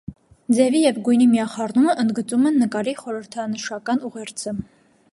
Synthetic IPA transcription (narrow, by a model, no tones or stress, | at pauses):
d͡zɛvijɛvɡujnimijɑχɑrnuməʔənd̪ɡət͡sumɛnːəkɑɾiχɔɾəɾt̪ʰɑnəʃɑkɑnuʁɛɾt͡sʰə